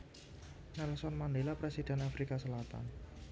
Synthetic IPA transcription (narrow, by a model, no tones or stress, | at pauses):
nɛlsɔnmandelapɾesid̥ɛnafɾikasəlat̪a̰n